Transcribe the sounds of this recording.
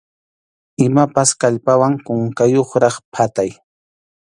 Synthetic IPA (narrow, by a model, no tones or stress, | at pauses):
ɪmapaskaʎpawaŋkʊŋkajoχɾɑχpʰat̪aj